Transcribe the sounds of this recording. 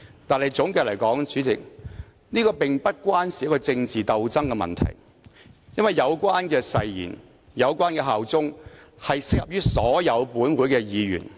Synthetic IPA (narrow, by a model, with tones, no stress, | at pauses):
t̪aː˨˧nɐ˨˩jt͡sʊ˨˥ŋkɛː˧lɐ˨˩jkɔː˨˥ŋt͡ʃyː˨˥t͡sɪ˨k̚ | niː˥kɔː˧pɪ˨ŋpɐ˥t̚kʷwaː˥nsi˨˦jɐ˥kːɔː˧t͡sɪ˧ŋt͡siː˨t̪ɐ˨˧wt͡sɐ˥ŋkɛ˧mɐ̰˨˩nt̪ʰɐ̰˨˩j | jɐ˥nwɐ˨jːɐ˨˧wkʷwaː˥nkɛː˧sɐ˨˧jjḭː˨˩n | jɐ˨˧wkʷaː˥nkɛ˧ɦaː˨wt͡sʊ˥ŋhɐ˨jsɪ˥k̚jɐ̰˨p̚jyː˥sɔː˨˥jɐ˨˧wpuː˨˥nwuː˨˥jkɛː˧jiː˨˧jy̰ː˨˩n